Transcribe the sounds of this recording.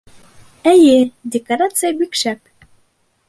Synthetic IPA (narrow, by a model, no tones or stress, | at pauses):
æjed̪ʲekoɾat̪sɨjəbikʃæp̚